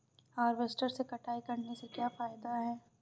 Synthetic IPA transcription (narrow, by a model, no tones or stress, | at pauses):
haːɾʋesʈəɾsekɐʈʰaːikɐɾnesekjaːfaːɪd̪aɦɛː